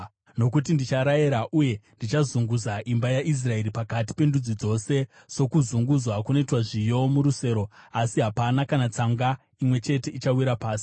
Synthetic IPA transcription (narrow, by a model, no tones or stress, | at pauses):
no̞kutindit͡ʃaɾajiɾaʔuje̞ndit͡ʃazuŋɡuzaʔimbajaʔis̬rae̞ɾipakati̥pe̞ndud͡zid͡zo̞se̞ | so̞kuzuŋɡuzwakune̞twaʐijo̞muɾuse̞ːɾo̞asiɦapanakanat͡saŋɡa | imwe̞t͡ʃe̞te̞ʔit͡ʃawiɾapaːsi̥